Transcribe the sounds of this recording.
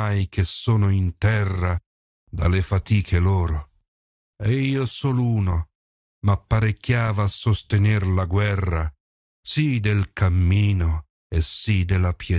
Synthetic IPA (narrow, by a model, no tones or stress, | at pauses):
ajkesːɔːnoint̪ɛrːa | d̪alefat̪iːkʰeloːɾo | ɛiːosɔluːno | mapːaɾekːjaːvaːsːost̪enɪrlaɡwɛrːa | sid̪elkʰamːiːno | esːid̪elːapjɛ